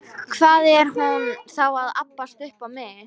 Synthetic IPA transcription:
kʰvaːðɛɾ̥hunθawaðapːast̪ʏhpamɪ

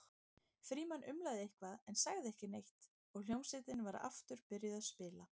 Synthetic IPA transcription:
fɾiːmanʔʏmlajðɪejhkvaðɛnsaɣðɪɛhcɪnejht̪ | ɔɣl̥jowmsɪt̪ɪnvaɾa̰ft̪ʏɾ̥pɪɾjɪðaðspɪːla

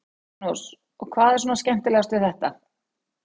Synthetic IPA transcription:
us | ɔɣkʰvaːðɛɾs̬uːnascɛm̥t̪ɪlɛɣast̪vɪθɛht̪a

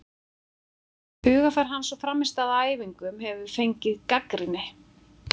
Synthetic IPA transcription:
hʏːɣafaɾ̥ɦansɔfɾamːɪst̪aðaːjviŋkʏmhɛvʏɾ̥fejɲcɪðkakɾɪnːɪ

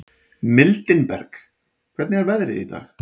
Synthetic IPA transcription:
mɪlt̪ɪnpɛ̰ɾk | kʰv̥ɛt̪nɪaɾvɛðɾɪḭθa̰ɣ

